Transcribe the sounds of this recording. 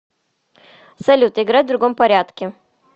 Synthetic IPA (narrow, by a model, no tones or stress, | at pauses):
sɐlʲut̪əɪɡɾatʲvd̪ɾʊɡo̞mpɐɾʲat̪kʲɪ